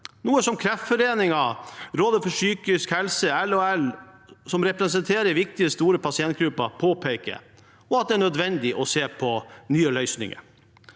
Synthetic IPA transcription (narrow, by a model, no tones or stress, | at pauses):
nuːəsɔmkʰɾɛft̪fɔɾeːnɪŋɑɾoːd̪əfɔʂyːkɪskhɛlsəɛlɔɛlsɔmɾɛpɾɛsɛnt̪ʰeːɾəɾʋɪk̚t̪ɪəst̪uːɾəpʰɑsɪɛnt̪̚ɡɾʉpːɑpʰoːpʰeɪkə̰ | ɔɑt̪̚d̪ɛæːɳœd̪ʋɛnd̪ɪʔɔseːpʰɔnyːəlœʏsnɪ̰ŋə̰ɾ